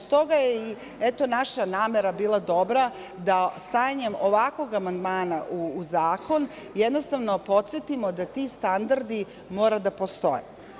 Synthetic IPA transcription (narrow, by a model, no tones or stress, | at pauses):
st̪o̞ɡajei | et̪o̞naʃanaːmeɾabiːlˠad̪o̞bɾa | d̪ast̪aːjaɲe̞mo̞ʋako̞ɡamand̪maːnaʔuːzaːko̞n | jed̪no̞st̪aʋno̞po̞t̪set̪imo̞d̪at̪ist̪and̪aɾd̪i | mo̞ːɾad̪apo̞st̪o̞̰jḛ